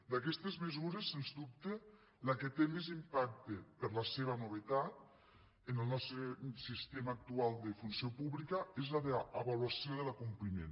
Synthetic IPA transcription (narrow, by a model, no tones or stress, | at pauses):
d̪akɛst̪ezmezuɾesːenzd̪up̚t̪e | laket̪emezimpak̚t̪epəɾlaseβɐnuβ̞et̪at̪̚ | ənəlˠnɔst̪ɾesist̪emaːk̚t̪ualˠd̪əfunsiopuβlikəezlaðeəβalwasioðəlakumplimḛn